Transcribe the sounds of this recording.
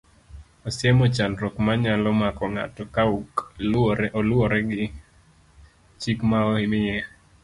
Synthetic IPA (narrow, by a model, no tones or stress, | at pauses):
ɔsjɛmɔt͡ʃanɾɔkmaɲalɔmakɔŋa̰tɔkauk | ɔlwɔɾɛɡɪ | t͡ʃikmaohɪmɪjɛ